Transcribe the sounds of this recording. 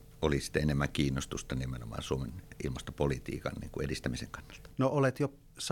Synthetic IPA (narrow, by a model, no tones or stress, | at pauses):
olisi̥t̪ːæenemːæŋkiːnːost̪ust̪ɑnimenomɑ̰ːnsuomenilmɑst̪opolit̪ḭːkɑ̰nnḭːŋkuʔerist̪æmisḛŋkɑnːɑlt̪ɑ̥noolet̪jo | s